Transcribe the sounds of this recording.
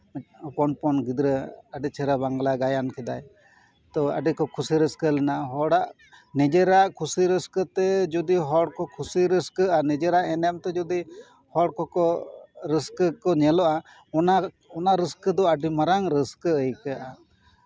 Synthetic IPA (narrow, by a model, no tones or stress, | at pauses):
ɔpɔnpɔnɡid̪ɾəəɖit͡ʃʰɛɾabaŋɡlaɡajankʰɛd̪aj | t̪ɔə̰ɖikɔkʰusiɾəskəlɛnaʔɦɔɽaʔ | nid͡ʒɛɾaʔkʰusiɾəskət̪ɛd͡ʒɔd̪iɦɔɽkɔkʰusiɾəskəanid͡ʒɛɾaʔɛnɛm̚t̪ɛd͡ʒɔd̪i | hɔɽkɔkɔɾiskəkɔɲɛlɔʔa | ɔna | ɔnaʔɾəskəd̪ɔəɖimaɾaŋɾəskəəjkaʔa